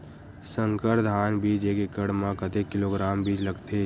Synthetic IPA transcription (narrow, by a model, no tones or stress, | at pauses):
sə̃ŋkəɾd̪ʱaːnbiːd͡ʒekekəɽmãkət̪ekːɪloːɡɾaːmbiːd͡ʒləɡt̪ʰe